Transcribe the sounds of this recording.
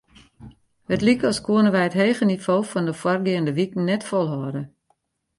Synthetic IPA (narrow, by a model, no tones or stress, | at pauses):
hətlikɔskwuənəʋɛjətɦeːɣənifoːfɔndəfwɔrɡɪəndəʋikn̩ɛtfɔlˠɦɔədə